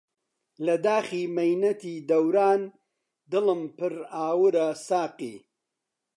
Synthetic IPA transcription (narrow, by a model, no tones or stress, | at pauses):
lɐd̪aːxiːmɐjnɐt̪iːd̪ɐwɾaːn | d̪ɨlɨmpɨɾaːwɨɾɐsaːqḭː